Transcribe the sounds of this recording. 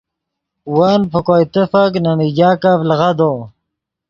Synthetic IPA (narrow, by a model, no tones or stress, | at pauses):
wanpʰəkojt̪əfaknamid͡ʑaːkavlʁad̪o